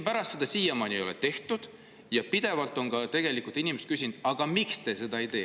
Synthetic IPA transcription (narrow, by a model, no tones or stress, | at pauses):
pæɾɑst̪se̞d̪̥ɑsiːjemɑnio̞lḛt̪e̞ht̪ud̪̥ | jɑpid̪̥e̞vɑlt̪ːˑo̞ŋɡɑt̪e̞ɡ̥e̞likˑult̪ˑinimest̪̚kysʲind̪̥ɑɡ̥ɑmikst̪e̞se̞d̪ɑe̞jt̪e̞ː